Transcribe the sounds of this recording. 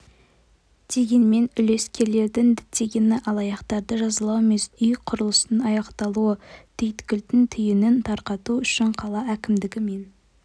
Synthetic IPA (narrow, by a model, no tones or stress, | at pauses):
d̪̥e̞ɡʲenme̞nʏle̞skʲe̞ɾle̞ɾd̪ɪŋd̪ɪt̪ʰe̞ɡʲenɪʔɑlˠɑjɑqt̪ɑɾd̪əʒɑzəlˠɑweme̞sʏjqʰʊɾəlˠəsənɑjɑqt̪ɑlˠuəd̪̥ʰejt̪kʲʏlt̪ɪnt̪ʰʏjɪnɪnt̪ʰɑɾqɑt̪uʏʃɪɴqʰɑlˠɑækʲɪmd̪ɪɡʲɪme̞n